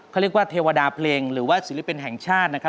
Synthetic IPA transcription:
ɾi˥˩k̚waː˥˩t̪ʰeː˧wa˧daː˧pʰleː˧ŋɾɯː˩˦waː˥˩si˨˦li˦˥˩pi˧nɦɛ˨˩ŋt͡ɕʰaː˥˩t̪̚na˦˥kʰɾ

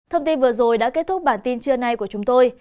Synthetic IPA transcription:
t̪ʰə˧wŋ͡mt̪i˧nvɨ˨˩əzo˨˩jɗa̰ː˧˥ke˦˥t̚t̪ʰʊ˦˥k͡p̚ɓaː˧˩nt̪i˧nt͡ɕɨ˧əna˧jku˧˩ət͡ɕʊ˨˦ŋ͡mt̪o˧j

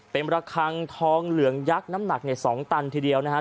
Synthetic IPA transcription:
pe˧nɾa˧kʰa˧ŋt̪ʰɔː˦˥ŋlɯ˩˦əŋja˦˥k̚na˦˥mna˨˩k̚ni˧˩ɐsɔː˩˦ŋt̪a˧nt̪ʰiː˧˩di˧əwna˦˥kʰa˦˥

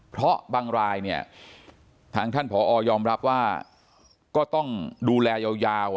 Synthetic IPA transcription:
pʰɾɔ˦˥baː˧ŋɾaː˧jni˥˩ɐ | t̪ʰaː˧ŋt̪ʰa˥˩npʰɔː˩˦ʔɔː˧jɔː˧mɾa˦˥p̚waː˥˩ | kɔː˥˩t̪ɔ˥˩ŋduː˧lɛː˧jaː˧wjaː˧w

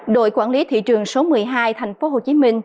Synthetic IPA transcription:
ɗo̰˧˨jkwaː˧˩nli˨˦t̪ʰḭ˧˨t͡ɕɨ˨˩əŋso˨˦mɨ˨˩əjɦaː˧jt̪ʰa˨˩jŋ̟fo˨˦ɦo˨˩t͡ɕi˨˦mï˧ŋ̟

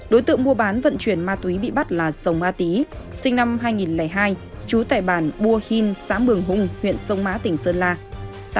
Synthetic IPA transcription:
ɗo˨˦jt̪ɨ̰˧˨əŋmu˧əɓaː˨˦nvə̰˧˨nt͡ɕwi˧˩ənmaː˧t̪wi˨˦ɓḭ˧˨ɓa˦˥t̚laː˨˩zə˨˩wmaː˧t̪i˨˦sï˧ŋ̟na˧mɦaː˧jŋi˨˩nlɛː˧˩jɦaː˧j | t͡ɕu˨˦t̪a̰ː˧˩jɓaː˧˩nɓu˧əhi˧nsaː˨˦mɓɨ˨˩əŋɦʊ˧ŋ͡mhwḭ˧˨ənsə˧wŋ͡mmaː˨˦˥t̪ï˨˩ŋ̟səː˧nlaː˧˨

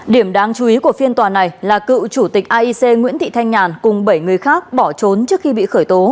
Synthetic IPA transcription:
ɗi˧˩əmɗaː˧ŋt͡ɕu˨˦ʔi˨˦ku˧˩əfi˧ənt̪waː˨˩na˨˩jlaː˨˩kɨ̰˧˨t͡ɕu˧˩t̪i˨˩k̚ʔaː˧ʔi˧se˧ŋwḭ˧˥ənt̪ḭ˧˨t̪ʰa˧jŋɲaː˨˩nkʊ˨˩ŋ͡mɓə˧˩jŋɨ˨˩əjxaː˦˥k̚ɓɔ˧˩t͡ɕo˨˦nt͡ɕɨ˦˥ək̚xi˧ɓḭ˧˨xəː˧˩jt̪o˨˦

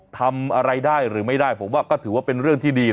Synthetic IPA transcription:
t̪ʰa˧mʔa˧ɾa˧jdaː˥˩jɾɯː˩˦ma˥˩jdaː˥˩jpʰo˨˩˦mwaː˥˩kɔː˥˩t̪ʰɯː˩˦waː˥˩pe˧nɾɯ˥˩əŋt̪ʰiː˥˩diː˧

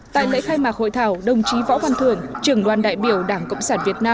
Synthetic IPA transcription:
t̪a̰ː˧˨jlḛ˧˥xaː˧jmaː˨˩k̚ho̰˧˨jt̪ʰaː˧˩wɗə˨˩wŋ͡mt͡ɕi˨˦vɔ̰˧˥va˨˩nt̪ʰɨ˨˧˩əŋt͡ɕɨ˨˧˩əŋɗwaː˨˩nɗa̰ː˧˨jɓi˧˩əwɗaː˧˩ŋkə̰˧˨wŋ͡msaː˧˩nvi˨˩ət̚naː˧

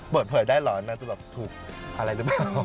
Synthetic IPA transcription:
pɤː˨˩t̪̚pʰɤː˩˦jdaː˥˩jlɔː˨˩˧naː˦˥˩nt͡ɕa˧˩bɛː˨˩p̚t̪ʰuː˨˩k̚ʔa˧ɾa˧jlɯː˨˦paː˨˩w

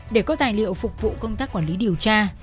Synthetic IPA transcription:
ɗe˧˩kɔ˨˦t̪aː˨˩jlḭ˧˨əwfʊ˨˩k͡p̚vṵ˧˨kə˧wŋ͡mt̪aː˦˥kwaː˧˩nli˨˦ɗi˨˩əwt͡ɕaː˧

